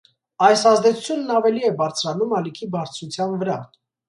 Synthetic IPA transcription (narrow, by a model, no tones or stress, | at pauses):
ɑjsɑzd̪ɛt͡sʰu̥t͡sʰjunːɑvɛliɛbɑɾt͡sʰɾɑnumɑlikʰibɑɾt͡sʰɾut͡sʰjɑnvəɾɑ